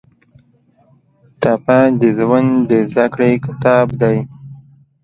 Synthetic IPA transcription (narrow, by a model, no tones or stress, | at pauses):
t̪apad̪əzwand̪əzd̪akɽekɪt̪ɑbd̪aj